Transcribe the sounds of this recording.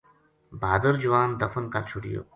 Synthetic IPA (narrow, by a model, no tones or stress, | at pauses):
baːd̪əɾd͡ʒuʋaːnd̪ɐfənkɐlt͡ʃʰuɽḭjo̰ː